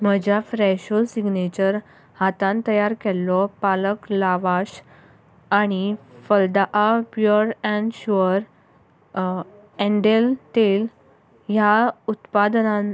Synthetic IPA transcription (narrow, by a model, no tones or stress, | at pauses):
m̤əd͡ʑʱafɾɛɕolsiɡnet͡ɕəɾ | hat̪ãnt̪əjaɾkɛlːɔpaləklaʋaɕ | aɽ̃ifəld̪aʔapjoɾɛ̃ɳɖɕuəɾ | ɛ̃ɳɖelt̪el | jaut̪pad̪nãn